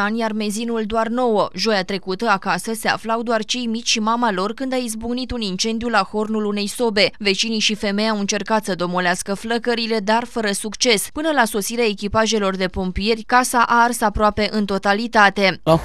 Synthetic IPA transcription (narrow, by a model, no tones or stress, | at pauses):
anjarme̞zinuld̪oarno̞wəʒo̞jat̪ɾe̞kut̪əakasəse̞a̰flawd̪oart͡ʃe̞jmit͡ʃʲʃimamalo̞rkɨnd̪aizbuɡnit̪unint͡ʃe̞nd̪ijulaxo̞rnulune̞jso̞be̞ve̞t͡ʃiniʃife̞me̞jawɨnt͡ʃe̞rkat̪səd̪o̞moleaskəfləkəɾile̞d̪arfəɾəsukt͡ʃe̞spɨnəlaso̞siɾeae̞kʲipaʒe̞lo̞rd̪e̞pompije̞rʲkasaʔarsapɾoape̞ʔɨnt̪o̞t̪alit̪at̪e̞